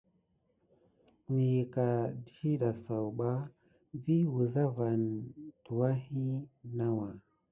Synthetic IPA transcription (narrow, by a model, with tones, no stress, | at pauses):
ni˨ji˨ka˨di˨hi˦ɗa˨sa˨wɓa˦ | vi˦wu˨za˦va˨nd̥u˨wa˦hi˦na˦wa˨